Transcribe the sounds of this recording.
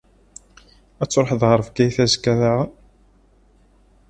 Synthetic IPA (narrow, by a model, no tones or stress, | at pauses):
æt͡sːɾˤħðʁəɾˤəvɡæjθæzəkːæɾaʁ